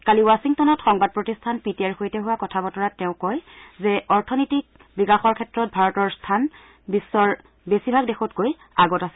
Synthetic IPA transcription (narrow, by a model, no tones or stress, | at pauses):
kaliwasiŋtɔnɔtxɔŋbad̚pɹotistʰanpitiaɹxojtɛɦuwakɔtʰabɔtɔɹatɛʊ̃kɔjzɛɔɹtʰɔnitik̚ | bikaxɔɹkʰɛtɹɔt̚bʱaɹɔtɔɹstʰan | bisːɔɹ | besibʱaɡ̚dexɔtkoj | aɡɔtasɛ